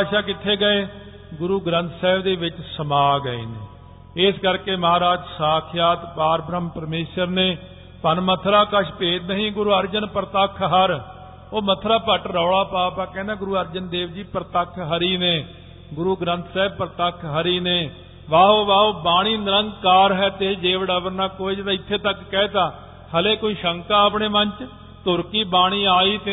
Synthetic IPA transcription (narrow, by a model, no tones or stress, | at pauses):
aːʃaːkɪt̪ʰːeːɡəeː | ɡʊɾuːɡɾə̃nt̪ʰsɛːbd̪eːʋɪt͡ʃsəmaːɡəḛːneː | ɪskəɾkeːməɦaːɾaːd͡ʒsaːkʰɪjaːt̪paːɾbɾəmpəɾmeːʃəɾneː | pənmət̪ʰɾaːkəʃʰpeːd͡ʒnəɦĩːɡʊɾuːəɾd͡ʒənpɾt̪əkʰɦəɾ | oːmət̪ʰɾaːpəʈɾɔːɽaːpaːpaːkɛ̃ːnd̪ãːɡʊɾuːəɾd͡ʒənd̪eːʋd͡ʒiːpəɾt̪əkʰɦəɾiːneː | ɡʊɾuːɡɾə̃nt̪ʰsɛːb̚pəɾt̪əkʰɦəɾiːneː | ʋaːɦoːʋaːɦoːbaːɽ̃iːnɪɾəŋɡkaːɾɦɛːt̪ed͡ʒeːʋɖəʋəɾnaːkoːid͡ʒt̪ãɪt̪ʰːeːt̪əkːɛːt̪aː | həleːkoːiːʃəŋkaːəpɳeːmənt͡ʃ | t̪ʊɾkiːbaːɽ̃iːaːiːt̪e